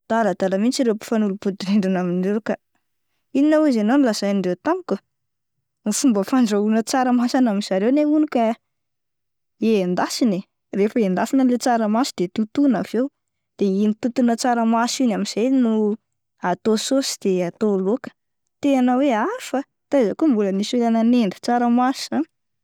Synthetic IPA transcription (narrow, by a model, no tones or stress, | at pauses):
d̪̥alad̪aləmint͡ʃiɾewpi̥fanulupud̪iɾeɳɖ͡ʐanaminɖ͡ʐewka | iinawuzananilazajniɳɖ͡ʐewt̪amiku | ufumbəfaɳɖ͡ʐaunət͡saɾəmasanamiz̥aɾewneunikʲa | end̪asine | refəend̪asinəlet͡saɾəmasid̪̥et̪ut̪unavew | d̪̥einit̪ut̪unət͡saɾəmasinamiz̥ejnu | at̪ososi̥d̪̥eat̪olokə̥ | t̪eanəweafə | t̪azakumbuləniselananeɳɖ͡ʐə̥t͡saɾəmasian